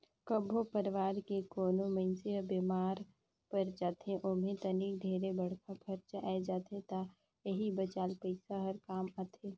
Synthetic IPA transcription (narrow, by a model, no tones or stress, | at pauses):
kəbʱopəɾʋaːɾkekoːnomẽnseəbemaːɾ | pəɾd͡ʒaːt̪ẽʔoːmẽt̪ənik̚ɖ̪ʱeːɾebəɽ̤kʰakʰəɾt͡ʃʔaed͡ʒaːt̪et̪a | jəɦibət͡ʃaːlpəɪsaɦəɾkaːmat̪ʰeː